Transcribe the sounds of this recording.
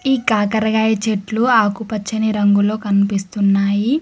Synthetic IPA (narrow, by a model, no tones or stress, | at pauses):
iːkaːkɐɾɐɡaːjɐt͡ʃeʈluaːkupɐt͡ʃːɐniɾɐŋɡulo̞ːkɐnipist̪unːaːji